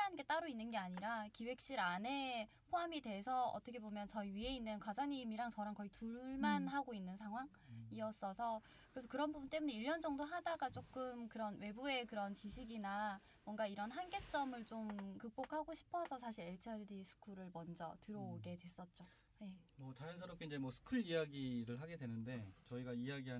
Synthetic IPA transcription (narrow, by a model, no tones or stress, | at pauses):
anɡe̞t͈aɾoinːɯnɡe̞aɲiɾakiwe̞k̚ɕ͈iɾane̞ | pʰoamidwe̞sʰʌʌ̰t͈ʌkʰe̞bomjʌnt͡ɕʌiɥie̞inːɯnkwad͡ʑaŋimiɾaŋt͡ɕʌɾaŋkʌituɭɭmanɦaɡoinːɯnsʰaŋɦwaŋ | iʌs͈ʌsʰʌ | kɯɾe̞sʰʌkɯɾʌnbubunt͈e̞muneiʎːʌnd͡ʑʌŋdoɦadaɡat͡ɕ͈ok͈ɯmkɯɾʌnwe̞bue̞kɯɾʌnt͡ɕiɕʰiɡina | mwʌŋɡaiɾʌnɦanɡe̞t͡ɕ͈ʌmɯɭt͡ɕ͈omkɯk̚p͈okʰhaɡoɕʰi̥pʰʌsʰʌsʰaɕʰiɾe̞ɭt͡ɕʰadisʰɯ̥kʰuɾɯɭmʌnd͡ʑʌ̰tɯɾoɡe̞dwe̞s͈ʌt̚t͡ɕ͈o | je̞mʌt͡ɕajʌnsʰʌɾʌpk͈ʰeind͡ʑemwʌsʰɯ̥kʰuɭijaɡiɾɯɭɦaɡe̞dwe̞nɯnde̞t͡ɕʌiɡaijaɡiɦa